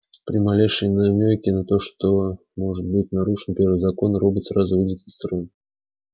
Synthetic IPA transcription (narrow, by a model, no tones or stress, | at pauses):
pɾʲɪmalʲeʂɨjnamʲojkʲɪnat̪oʂt̪o | mo̞ʐɨt̪̚bɨtʲnaɾuʂɨnpʲervɨzɐko̞nɾobɨt̪srazʊvɨdʲɪt̪ʲɪst̪ɾɨn